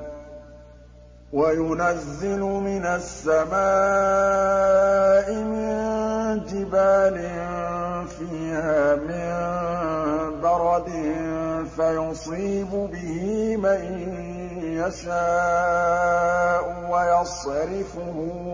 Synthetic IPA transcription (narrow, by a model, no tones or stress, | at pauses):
wajʊnazːɪlʊmɪnasːamaː | ʔɪmɪnd͡ʒɪbaːlɪnfiːhaːmɪn | bɑɾˤɑd̪ɪfajʊsˤiːbʊbɪhɪman | jaʃaː | ʔʊwajɑsˤɾɪfʊhʊ